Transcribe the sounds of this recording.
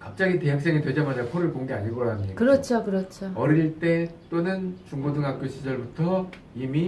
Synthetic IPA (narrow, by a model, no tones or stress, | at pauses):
kap̚t͡ɕ͈aɡite̞ɦak̚s͈e̞ŋetwe̞d͡ʑʌmanapʰoɾɯɭpoŋɡe̞aɲiɭɡoɾamɲikakɯɾʌt͡ɕʰokɯɾʌt͡ɕʰoʌɾiɾiɭt͈e̞t͈onɯnt͡ɕuŋbodɯŋak̚k͈uɕʰid͡ʑʌɭbutʰʌ | imi